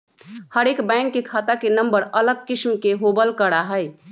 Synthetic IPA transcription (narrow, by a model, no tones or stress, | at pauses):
həɾekbɛ̃ŋkːekʰat̪akenəmbəɾələɡ̚kismkeɦobəlkəɽaɦəj